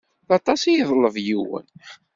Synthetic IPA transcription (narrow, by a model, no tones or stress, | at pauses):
θɑt̪ˤɑsijðˤləvjiwə̰n